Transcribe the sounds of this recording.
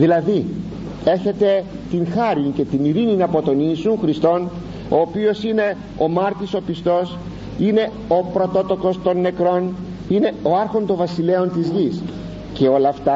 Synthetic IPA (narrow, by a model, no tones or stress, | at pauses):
ðilɐði | e̞çe̞t̪e̞ | t̪inxɐɾince̞t̪iniɾininɐpo̞t̪o̞nisunxɾist̪o̞n | o̞ːpio̞sine̞ | o̞mɐɾt̪iso̞pist̪o̞s | ine̞ | o̞pɾo̞t̪o̞t̪o̞ko̞st̪o̞nːe̞kɾo̞n | ine̞o̞ɐɾxo̞nt̪o̞ɱvɐsile̞o̞nt̪izʝis | ce̞o̞lɐːft̪ɐ